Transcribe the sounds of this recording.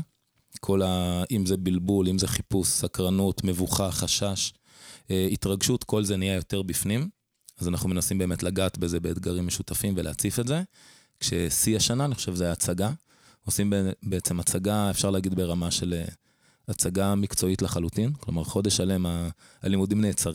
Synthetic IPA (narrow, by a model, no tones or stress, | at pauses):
kʰo̞laʔimzebilbulimze̞χipusːakʁanut̪me̞vuχaχaʃaʃ | eitʁaɡʃut̪ko̞lze̞nijajo̞te̞ʁbifnim | azanaχnumenasimbe̞emetlaɡaːt̪beze̞be̞ːt̪ɡaʁimːeʃutafimveleat͡sifetze̞ | kʃesiaʃanaːniχoʃevzajaːt͡saɡa | o̞simebeet͡se̞mat͡saɡaefʃaʁlaːɡid̪be̞ʁamaʃe̞le | at͡saɡamikt͡so̞itlaχalut̪inklomaʁχo̞d̪eʃale̞ma | alimud̪imneːt͡saʁ